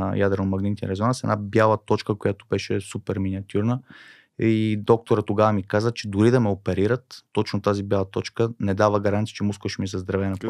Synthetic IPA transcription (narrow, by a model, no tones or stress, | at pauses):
jad̪ɾənomɐɡnit̪inɾɛzonasɛ̰dnabjalˠət̪ɔt͡ʃkəkojat̪obɛʃɛsupɛɾminʲiɐt̪ʲʰuɾnə | id̪ɔk̚t̪oɾət̪ːoɡavəmikazət͡ʃɛd̪ʊɾid̪ɐmɛopɛɾiɾət̪ːɔt͡ʃnot̪azibʲjalˠɐt̪ɔt͡ʃkənɛd̪avəɡɐɾant̪sit͡ʃɛmuskoʃɛmizɐzd̪ɾɐvɛnɐp